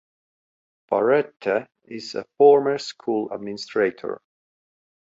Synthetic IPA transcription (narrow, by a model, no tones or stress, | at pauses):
b̥a̰ɹɛt̪ʰːə | ɪzə̰fɔɹməɹskʰulˠə̰d̚mɪnɪstʰɹeɪtʰɔ̰ɹ